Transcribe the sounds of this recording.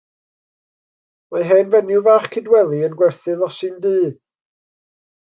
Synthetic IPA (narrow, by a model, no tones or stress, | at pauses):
maɦɛnvɛnɨwvaχkʰɪdwɛlˠiənɡwɛrθɨðɔsɨndɨː